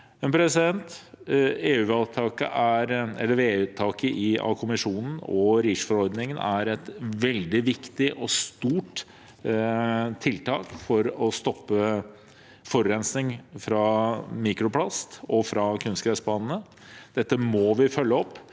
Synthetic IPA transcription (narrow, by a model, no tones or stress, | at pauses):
ɛnpʰɾɛsɪd̪ɛnt̪ | eːʉːɑt̪ʰɑːkə̰ʔæɾɛ̰lːəɾeːʉt̪ʰɑːkəʔɪɑ̰kʰʊmɪʂuːnən̩ɔɾiːʂfɔɾɔɾd̪nɪŋənʔæɾɛt̪ʋɛld̪ɪʋɪkt̪ɪʔɔst̪uːʈ | t̪ʰɪlt̪ʰɑːkfɔɾɔst̪ɔpːə | fɔɾɾɛnsnɪŋfɾɑmiːkɾʊpʰlɑst̪ɔfɾɑkʰʉnst̪kʰɾæsbɑːnənə | d̪̥ɛt̪ːəmɔʋɪfœlːəɔpː